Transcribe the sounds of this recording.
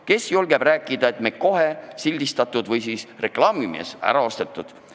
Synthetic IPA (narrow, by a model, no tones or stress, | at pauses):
ke̞sjolɡeb̥ɾæːkˑːid̪̥ɑe̞t̪meko̞ɦe̞silʲd̪ist̪ɑt̪ːˑud̪vɤjsiːsre̞klɑːmimḛsæ̰ɾɑost̪et̪ːˑud̪̥